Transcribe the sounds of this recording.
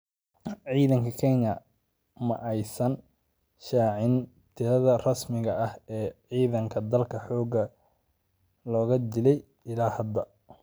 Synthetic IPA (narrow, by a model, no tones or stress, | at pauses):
ʕiːðɐŋkʰɐkʰɛjɲɐ | mɐʔɛjsɐn | ʃaːʕɪn | t̪ʰɪɾɐðɐrɐsmɪɣɐʔɐhɛːʕiːðɐŋkʰɐd̪ɐlkʰɐħɔːɡɐ | lɔːɣɐd̪ɪlɛj | ɪlaːhɐd̪ɐ